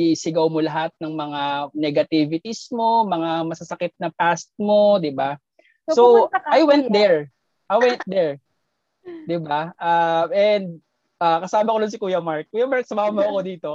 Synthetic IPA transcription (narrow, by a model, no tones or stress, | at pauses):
isɪɡɐwmolɐɦat̪̚nɐŋmɐŋanɛɡɐt̪ivɪt̪ismo̞mɐŋamɐsɐsɐkɪt̪̚nɐpast̪̚mo̞d̪ɪba | soajwɛnt̪̚d̪ɛɹ | ʔajwɛnt̪̚d̪ɛɹ | d̪ɪbaʔaʔɛnd̪̚ | ʔaːkɐsaːmɐkod̪ʊnsɪkuːjɐmaɹk̚kːuːjɐmaɹk̚sʊmaːmɐɐkod̪iːt̪o̞